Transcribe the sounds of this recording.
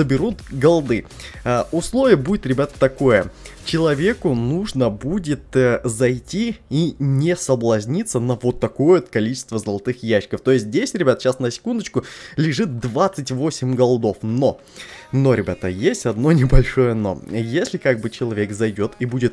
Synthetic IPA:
zəbʲɪɾut̪ɡɐlˠd̪ɨ | əʊslˠo̞vʲɪjəbudʲɪt̪ɾʲɪbʲat̪ə̥t̪ɐko̞jət͡ɕɪlˠɐvʲe̞kʊnuʐnəbudʲɪt̪zɐjtʲiinʲɪsəblˠɐzʲnʲit̪sːənəvo̞t̪ːɐko̞jəot̪kɐlʲit͡ɕɪ̥st̪vəzəlˠɐt̪ɨxjæɕːɪ̥kəft̪o̞ɪsʲt̪̬ʲzʲdʲesʲɾʲɪbʲat̪əɕasnəsʲɪ̥kund̪ət͡ɕkʊlʲɪʐɨt̪̚d̪vat̪sɨtʲvo̞sʲɪmʲɡɐlˠd̪o̞fno | no̞ɾʲɪbʲat̪ə̰jesʲtʲɐd̪no̞nʲɪbɐlʲʂo̞jəɐno̰jesʲlʲɪkaɡ̚bɨt͡ɕɪlˠɐvʲe̞kzɐjdʲo̞t̪ibudʲɪt̪

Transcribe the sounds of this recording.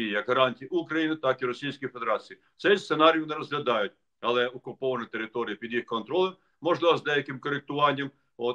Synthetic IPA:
ijɐkɐɾɑnʲtʲijiʊkɾɐjinɪt̪ɑkiɾɔsʲijsʲkijfed̪eɾɑt͡sʲiji | t̪sɛssenɑɾʲijʊnɛɾɔzɦlʲɐd̪ɑjʊt̚ʲ | ɐlˠɛɔkʊpɔʋɐnɐt̪eɾɪt̪ɔɾʲɪjɐpʲid̪jixkɔnt̪ɾɔlˠɐm | mɔʒlˠɪʋɔzd̪ɛjɐkɪmkɔɾɪk̚t̪ʊʋɑnʲːɐm | ɔt̪

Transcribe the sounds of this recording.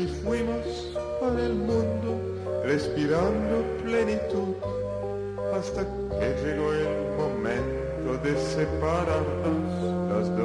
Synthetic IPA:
ifwimos | konelmund̪o | respiɾand̪oplenit̪ut̪ | past̪a | ked͡ʒeɡoel | momɛn | t̪od̪esepaɾaɾt̪as | lazd̪

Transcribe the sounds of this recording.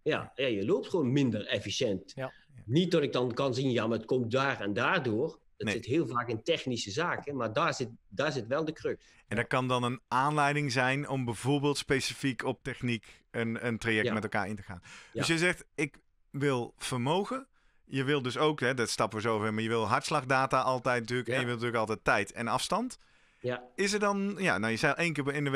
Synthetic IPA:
ja̰jajəloːp̚tχʋoːnmɪndərɛfisjɛntnit̚ːɔtɪk̚dɑnkɑnzinjamaətkɔmt̚daːɹandaːɹdʊːr | dnsɪtɦɪːlˠvaːkɪntɛxnisəzaːkəmaɹdaːzɪtdaːɹsɪtʋɛlˠdəkrøk | ɛndɔt̚kɑndɑnənʔaːnlɛjdɪŋzɛjnɔmbɛjvoːɹbeːlˠtspejsifikʰɔp̚tɛxnik | ənəntrajɛktmɛtɛlˠka̰ːɹɪntəχa̰ːndøsjəjzɛxtɪk | ʋɪlˠv̥əɹmowɣə | jəʋɪlˠdɵsowkɦɛdɑtstɑpʋəzowvɛɹmaːɹjəʋɪlˠɦɑɹtslɑɣdaːtaʔɑlˠtɛjtnɑtyːləkɛnjəʋɪlˠntyːləkɑlˠtɛjtːɛjtʰɛ̰nɑfstɑnt | ɪs̬ədɑnjanajəsɛjʔejnkɪːɹpɪnəʋ

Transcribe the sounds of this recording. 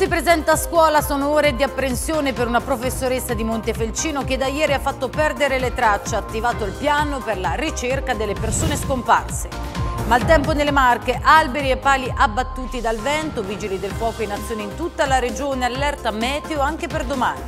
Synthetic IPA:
sipɾezɛnt̪askwɔːlasoːnooːɾed̪iapːɾensjoːnepeɾunapɾofesːoɾesːad̪imont̪efelt͡ʃiːnoked̪ajɛːɾiafːat̪ːopɛrd̪eɾelet̪ɾat͡ʃːaat̪ːivaːt̪oilpjaːnoperlarit͡ʃerkad̪elːepersoːneskompa̰rse | malt̪ɛmponelːemarkeʔalbeɾiepːaːliʔabːat̪ːuːt̪id̪alvɛnt̪oviːd͡ʒilid̪elfwɔːkoinːat̪sːjoːneint̪ut̪ːalaɾed͡ʒoːnealːɛrt̪amɛːt̪eoaŋk̟eperd̪omaːni

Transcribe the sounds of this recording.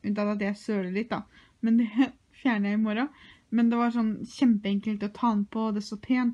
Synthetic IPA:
ʉnt̪ɑɑt̪jæɪsøːɽəlɪt̪ːd̪ɑ̰ | mɛnd̪ɛ | fjæːɳəjæɪɪmɔɾɑ | mɛnd̪ɛʋɑɾʂɔnːɕɛmpəɛŋkəlt̪ɔt̪ʰɑːɑnːpʰɔd̪ɛsɔpʰeːnt̪

